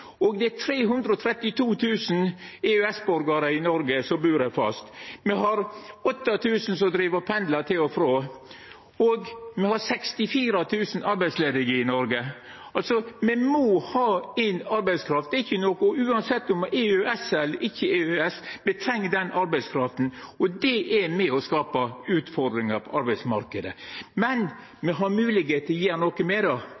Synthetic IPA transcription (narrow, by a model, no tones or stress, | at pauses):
ɔɡd̪ɛæt̪ʰɾeːɦʉnd̪ɾəɔt̪ʰɾɛt̪ːɪt̪ʰuːt̪ʰʉːsn̩eøɛsbʉɾɡɑɾəɪnɔɾɡəsɔmbʉːɾɛfɑ̰st̪mɛɦɑɾɔt̪ːɑt̪ʰʉːsən̩s̬ɔd̪ɾiːʋəpʰɛnd̪lɑt̪ʰɪlɔfɾoː | oɡmɛhɑɾsɛkst̪ɪfiːɾɑt̪ʰʉːsən̩ɑɾbæɪsleːd̪ɪŋəɪnɔɾɡə | ɑlsɔmɛmohɑːæɪnɑɾbæɪskʰɾɑft̪d̪ɛɾɪçːənɔkəɔʉːɑnsɛt̪ːɔmeøɛsɛlːəɾʔɪçːəeøɛsmɛt̪ʰɾɛŋːd̪ɛnʔɑɾbæɪskʰɾɑft̪n̩ɔd̪ɛʔɛɾmɛɔskɑːpɑʉːt̪fɔd̪ɾɪŋɑɾpʰɔʔɑɾbæɪsmɑɾkəd̪əmɛn | mɛɦɑɾmʉːlɪɡheːt̪əjeːɾnɔkəmɛd̪ɑ